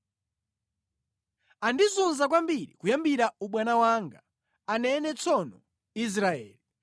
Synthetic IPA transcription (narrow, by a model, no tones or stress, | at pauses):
andizunzak̬wambiɾḭkujambiɾauɓwanawaŋɡa | anɛnɛt͡sʰɔnɔ | is̬ɾaɛːli